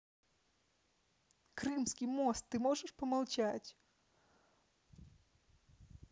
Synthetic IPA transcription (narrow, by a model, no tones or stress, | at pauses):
kɾɨmsʲkʲijmɔst̪ːɨmɔʐɨʂpɔmɐlˠt͡ʃatʲ